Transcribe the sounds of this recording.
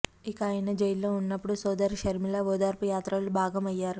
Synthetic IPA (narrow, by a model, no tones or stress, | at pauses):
ikɐaːjɐnɐd͡ʒɐjlːo̞ːunːɐpːuɽusɔːd̪ɐɾʃɐɾmilɐʋɔːd̪aːɾpujaːt̪ɾɐlubʱaːɡɐmɐjːaːɾu